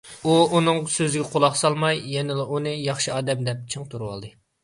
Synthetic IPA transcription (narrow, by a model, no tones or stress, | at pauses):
uunɨŋsøzɪɡʲɛqʰolˠɑχsɑlˠmɑjːɛnɪlˠɨʔunɨjɑχʃiɑːd̪ɛmd̪ɛp̚t͡ʃʰɨŋt̪ʰuɾuwɑ̰lˠd̪ɨ